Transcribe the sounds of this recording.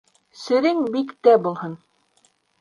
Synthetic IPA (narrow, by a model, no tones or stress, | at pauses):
sɘ̆ɾɘŋbikt̪æbulˠhɤn